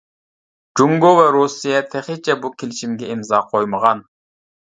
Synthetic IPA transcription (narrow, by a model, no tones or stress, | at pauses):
d͡ʒuŋɡovɛɾusijɛt̪ʰɛχɪt͡ʃʰɛbukʲʰelɪʃimɡʲɛimzɑːqʰojməʁɑn